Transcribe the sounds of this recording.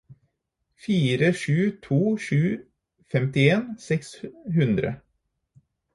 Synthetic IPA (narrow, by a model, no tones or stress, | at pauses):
fiːɾəʂʉːt̪ʰuːʂʉː | fɛmt̪ɪeːnsɛksɦʉnd̪ɾə̰